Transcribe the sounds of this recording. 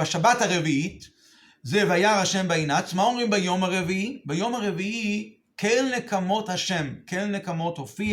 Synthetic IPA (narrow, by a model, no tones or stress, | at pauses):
aʃabathaʁeviit | zevajaʁaʃembainat͡smaomʁimbajo̞maʁeviibajo̞maʁe̞vii | kennekamo̞thaʃe̞mkennekamo̞t̪hofi